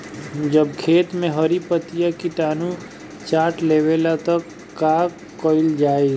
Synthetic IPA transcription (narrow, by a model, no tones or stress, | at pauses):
d͡ʒəb̚kʰeːt̪mẽɦəɾipət̪ijakiʈaːnu | t͡ʃaːʈleːweːlat̪əkː | aːk | kːɔɪld͡ʒaːe